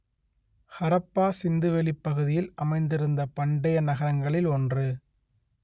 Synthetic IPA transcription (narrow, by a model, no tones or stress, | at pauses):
hɐɾɐpːaːsɪnd̪ɯʋɛɭɪpːɐɣɯðɪjɪlɐmɐɪnd̪ɪɾɯnd̪ɐpɐɳɖɐjɐnɐɣɐɾɐŋɡɐɭɪlɔndrɯ